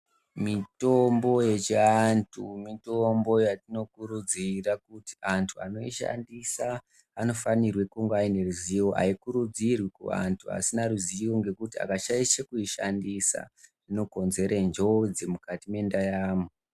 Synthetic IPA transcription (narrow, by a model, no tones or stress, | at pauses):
mito̞mbo̞je̞t͡ʃiantʰumitombo̞jatino̞kuɾud͡zirakuti̥ʔantʰua̰no̞iʃa̰ndisaː | no̞fanirwe̞kuŋɡaine̞ruziwoʔa̰ikuɾud͡zirwikṵa̰ntʰua̰sinaruziwo̞ŋɡe̞kutia̰kaʃaiʃekuiʃa̰ndisa̰rino̞ko̞nze̞ɾʔend͡ʒo̞d͡zemukatimendajaːmu